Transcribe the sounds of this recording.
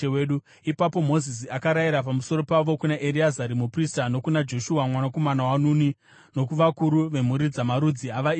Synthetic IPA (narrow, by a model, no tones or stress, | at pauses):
eweːɗu | ipapo̞mo̞zis̬iakaɾaiɾapamuso̞ɾo̞paʋo̞kunaʔeɾiazaɾimupristano̞kunad͡ʒo̞ʃuwamwanako̞manawanuni | no̞kuʋakuɾuʋe̞m̤uɾid͡zamaɾud͡ziaʋai